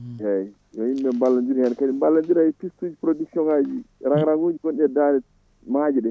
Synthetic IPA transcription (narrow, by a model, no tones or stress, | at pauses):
hɛ | jɔimɓɛmbalːand͡ʒiɾhɛnkaɗimbalːand͡ʒiɾapistud͡ʒipɾoduksiɔŋad͡ʒiɾaŋɾaŋɡud͡ʒiɡonɗiɛdaɾɛ | mad͡ʒiɗɛ